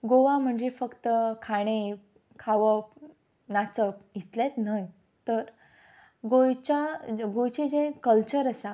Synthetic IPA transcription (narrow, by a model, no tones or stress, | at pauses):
ɡoʋãm̤əɳd͡ʑefəkt̪əkʰaɽ̃e | kʰaʋəp̚ | nat͡səp̚ɡʱit̪let̪naj | t̪əɾ | ɡojt͡ɕaɡojt͡ɕid͡zẽkəlt͡ɕəɾəsa